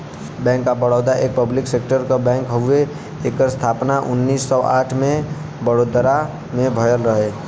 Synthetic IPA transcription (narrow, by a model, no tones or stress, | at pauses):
bɛ̃ːŋkːabəɽɔʊd̪aʔeːk̚pəblɪkseːkʈəɾkabɛ̃ːŋkɦəe | eːkəɾst̪ʰaːpnaʔʊnːiːsːɔʔa̰ːʈʰmẽ | bəɽoːd̪ɾa | mẽbʱəjənɾəɦeː